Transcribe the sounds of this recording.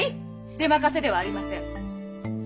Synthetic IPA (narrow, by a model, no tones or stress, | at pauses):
i | d̪̥e̞makase̞d̪e̞βaːɾʲimasẽɴ